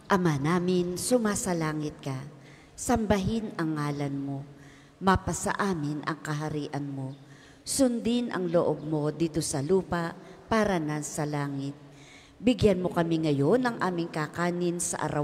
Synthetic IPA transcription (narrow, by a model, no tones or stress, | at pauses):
ʔɐmanaːmɪnsʊmaːsɐlaːŋɪt̪̚kɐ | sɐmbɐɦɪnɐŋːaːlɐnmo̞ | mɐpɐsɐ̰ʔaːmɪnʔɐ̰ŋkɐɦɐɾiːʔɐnmo̞ | sʊnd̪ɪnʔɐ̰ŋloʔob̚mo̞d̪iːt̪osɐluːpaʔpaːɾɐnasɐlaːŋɪt̪̚ | bɪɡjanmo̞kɐmɪŋɐjo̞nɐŋʔaːmɪŋkakaːnɪnsɐ̰ʔɐ̰ɾa